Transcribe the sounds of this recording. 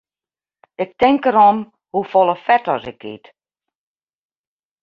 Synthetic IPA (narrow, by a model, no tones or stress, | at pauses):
ɪk̚tɪŋkəɾɔm | hufɔlˠəfɛtɔsɪkḭt